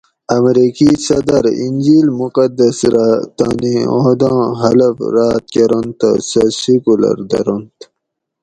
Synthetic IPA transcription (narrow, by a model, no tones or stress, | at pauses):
ɐmɾikisɐd̪ɐɾinʲd͡ʑiːlmuqɐd̪ɐsɾat̪aːniod̪ɑ̃ːɦɐlɐfɾaːt̪̚kɐɾont̪a̰sɐsikulɐ̰ɾd̪ɐ̰ɾont̪